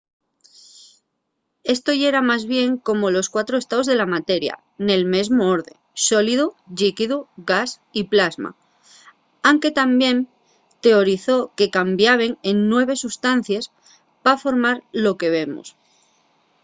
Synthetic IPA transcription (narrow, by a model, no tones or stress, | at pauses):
e̞st̪o̞je̞ɾamazβje̞ŋko̞mo̞lo̞skwat̪ɾoe̞st̪aozðe̞lamat̪e̞ɾja̰ | ne̞lme̞zmoo̞ɾðe̞ŋso̞liðuʎikiðuɣas | iplazma̰ | awŋke̞t̪ambje̞n | t̪e̞o̞ɾiθo̞ke̞kambjaβ̞e̞ŋenːwe̞β̞e̞sust̪an̟θjes | pafo̞ɾmaɾlo̞ke̞β̞e̞mṵs